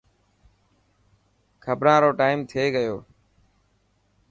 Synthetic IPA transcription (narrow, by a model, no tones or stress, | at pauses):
kʰəbɾãːɾoːʈaːɪmt̪ʰɪeːɡəjoː